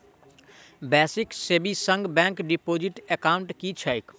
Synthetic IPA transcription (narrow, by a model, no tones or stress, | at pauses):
bɛːsɪkseːbisə̃ŋɡbɛ̃ːŋkɖipoːd͡ʒɪʈekaːʊ̃ɳʈkit͡ʃʰaɪk